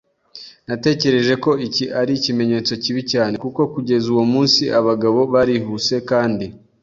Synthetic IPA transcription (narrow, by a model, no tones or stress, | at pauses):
nate̞ːce̞ɾe̞ʒe̞ko̞iciʔaɾicime̞ɲe̞ːt͡so̞ciβicaːne̞kuko̞kuɟe̞zuwomuːnsiʔaβaɡaβo̞βaɾiɦuse̞kaːndi